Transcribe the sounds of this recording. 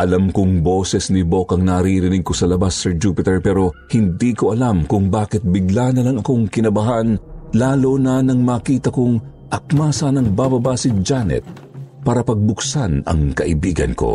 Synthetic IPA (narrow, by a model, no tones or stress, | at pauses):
ʔɐlamkʊŋbo̞ːsɛsnɪbo̞kɐŋnɐɾiɾɪnɪɡ̚ko̞sɐlɐbasːɛɹd͡ʒuːpɪt̪ɛɹpɛːɾo̞hɪnd̪iːko̞ʔɐlamkʊŋbaːkɪt̪̚bɪɡlanɐlɐŋɐko̞ŋkɪnɐbɐɦanlaːlonɐnɐŋmaːkiːt̪ɐkoŋ | ʔɐk̚maːsɐnɐŋbaːbɐbasɪd͡ʒanɛ̰t̪̚ | paːɾɐpɐɡ̚bʊksanɐ̰ŋkɐʔɪbiːɡɐ̰nko̞̰